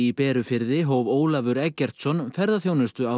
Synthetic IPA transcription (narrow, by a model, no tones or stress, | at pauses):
ipɛːɾʏfɪɾðɪɦoːwvoːwlavʏɾɛcːɛr̥t̪sɔnfɛɾðaθjownɪst̪ʏa